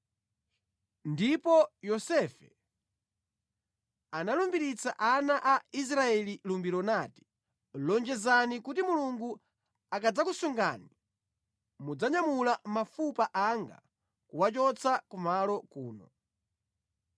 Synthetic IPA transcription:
ndipɔjɔsɛfɛ | analumbiɾit͡sa̰ʔanaʔais̬ɾaɛlilumbiɾɔnati̥ | lɔnd͡ʒɛzanikutimuluŋɡu | akad͡zakusuŋɡa̰ni | mud͡zaɲamulamafupaʔaŋɡa̰ | kuwat͡ʃɔt͡sʰakumalɔkuːnɔ

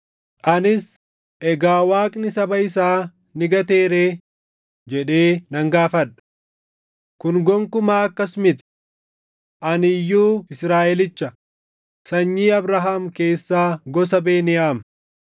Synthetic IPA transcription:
ʔɐnɪs | ʔɛɡaːwaːkʼnɪsɐbɐɪs̬aː | nɪɡɐt̪e̞ːɾeː | d͡ʒɛᶑe̞ːnɐŋɡaːfɐᶑɐ̥ | kʊnɡɔŋkʊmaːɐkːɐsmɪt̪ɪ̥ | ʔɐnɪjːuːɪsɾaːʔɛlɪt͡ʃːɐ | sɐɲːiːɐbɾɐɦamke̞ːsːaːɡɔsɐbeːnɪʔaːm

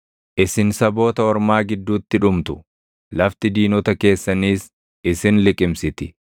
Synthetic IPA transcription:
ʔɪsɪnsɐbo̞ːt̪ɐɔɾmaːɡɪd̪ːuːt̪ːɪᶑʊmt̪ʊ̥ | lɐft̪ɪd̪iːnɔt̪ɐke̞ːsːɐniːs | ɪsɪnlɪkʼɪmsɪt̪ɪ

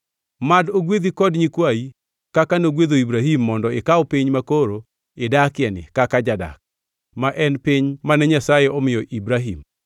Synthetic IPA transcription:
madoɡwed̪ikɔdɲikwai | kakanoɡweðoibɾaɦimːɔndɔɪkaɔpiɲmakoɾo | ɪdakɪɛnɪ̰kakad͡ʒada̰k̚ | maʔɛnpiɲmanɛɲasajeɔmɪjɔʔibɾaɦim

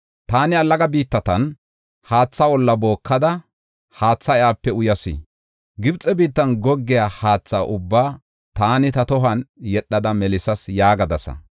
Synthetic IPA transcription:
t̪aːnɪɐlːɐɡɐbiːt̪ːɐt̪ɐn | haːt͡sːɐwɔlːɐbo̞ːkːɐd̪ɐ | haːt͡sːɐɪaːpːɛʊjɐsɪ̰ | ɡɪbt͡sʼːɛbiːt̪ːɐnɡɔɡːɪjaːhaːt͡sːaːʔʊbːaː | t̪aːnɪt̪ɐt̪ɔɦɐnjɛɗːɐd̪ɐmɛlɪsɐsjaːɡɐd̪ɐsɐ̰

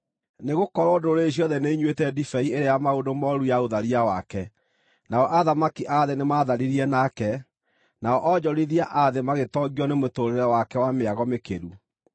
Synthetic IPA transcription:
neɣokɔɾɔdoɾeɕ̬ijɔðɛneiɲwetɛdifɛieɾeajamaodomɔɾujaoðaɾiawakɛ | naɔʔaðamakiʔaðenemaːðaɾiɾiɛnakɛ | naɔʔɔd͡ʑɔɾiðiaʔaðemaɣetɔɡiɔnemotoɾeeɾɛwakɛwameaɣɔmekḛɾu

